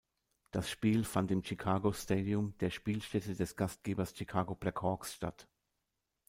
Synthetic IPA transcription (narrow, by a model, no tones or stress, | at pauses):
d̥asʃpiːlfantɪmt͡ʃikʰaːɡosteːdiʊmd̥eːɐʃpiːlʃtɛtədɛsɡ̥ast̚ɡ̥eːbɐst͡ʃikʰaːɡopʁ̥ɛkʰɔɐksʃta̰t